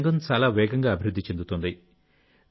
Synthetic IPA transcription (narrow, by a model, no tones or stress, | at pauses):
ŋɡɐnt͡ʃaːlaːʋɛːɡɐŋɡaːɐbʱiɾud̪ːit͡ʃe̞nd̪ut̪und̪i